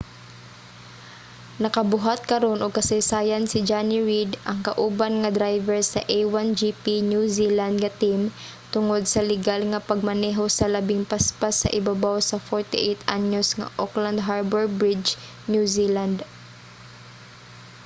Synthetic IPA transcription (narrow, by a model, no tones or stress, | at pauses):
nɐkɐbʊɦat̪̚kɐɾo̞nʔoɡ̚kɐsɐjsaːjansɪd͡ʒanɪɹid̪ʔɐŋkɐʔuːbanŋɐd̪ɾajvɛɹsɐʔejwand͡ʒipinjusiland̪̚ŋɐt̪im | t̪ʊŋod̪̚sɐlɪɡalŋɐpɐɡ̚mɐnɛɦo̞sɐlɐbɪŋpaspasːɐ̰ʔɪbabawsɐfoɹt̪ɪʔejt̪ʔaɲosŋɐ̰ʔokland̪̚ɦaɹbɛɹbɹɪd͡ʒ | njusiland̪